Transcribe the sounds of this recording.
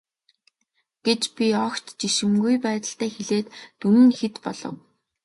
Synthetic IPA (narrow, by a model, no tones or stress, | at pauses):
ɡ̥et͡ɕpʲiɔkt̪t͡ɕiʃɘ̆mɡujpæːt̪ə̆ɬt̪æːxeɮeːt̪ːumɘ̆nxet̪pɔɮɞ̰̆w